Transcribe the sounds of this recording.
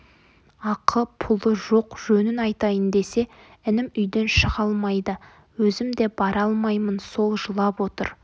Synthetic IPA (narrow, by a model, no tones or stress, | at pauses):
ɑqʰəpʰʊlˠəʒo̞qʒ̥ɵnɪnɑjt̪ɑjənd̪e̞se̞ | ɪnɪmʏjd̪enʃəʁɑlˠmɑjd̪ə | wɵzɪmd̪e̞bɑɾɑlˠmɑjmənso̞lˠʒəlˠɑpwo̞t̪ə̰ɾ